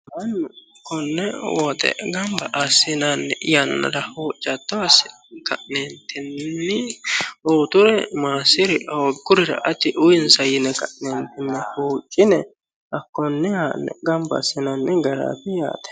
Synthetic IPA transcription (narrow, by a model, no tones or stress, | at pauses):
ɐn | kːɔnːɛwɔd̪ɛ̰ɡɐmbɐʔɐsɪnanːɛʔɪjɐnːɐ̰dɐhoːt͡ʃʼːɐt̪ːɔɐsɪ | kɐʔnent̪ːɪnnːɪ | oːt̪ʊɾɛmaːsɪɾɪɔɡʊɾɪɾɐ̰ʔɐt̪ːɪʔʊjɪnsɐjɪnɛɡɐʔnent̪ɪnːɛhuːt͡ʃʼːɪnɛ | ɐkːɔnːɛhaːnːɛ̰ɡɐmbɐ̰sːɪnɐnːɛɡɐɾa̰ːbɪja̰ːt̪ɛ̥